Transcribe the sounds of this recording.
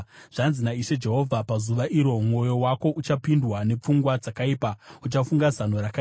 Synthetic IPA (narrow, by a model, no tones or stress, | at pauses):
ʐ̥anzinaiʃe̞d͡ʒe̞ɦo̞vʱapazuʋaʔiɾo̞mŋo̞jo̞wako̞ʔut͡ʃapindwane̞p͡fuŋɡwad͡zakaipaut͡ʃafuŋɡazan̤o̞ɾaka